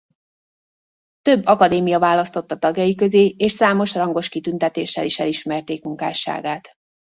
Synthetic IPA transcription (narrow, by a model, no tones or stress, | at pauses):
t̪ø̞bːɒkɒd̪eːmijɒvaːlɒst̪o̞t̪ːɒt̪ɒɡjɒjikø̞zeːeːʃsaːmo̞ʃrɒŋɡo̞ʃkit̪ynt̪ɛt̪eːʃːɛ̰liʃɛliʃmɛrt̪eːkmuŋka̰ːʃa̰ːɡaːt̪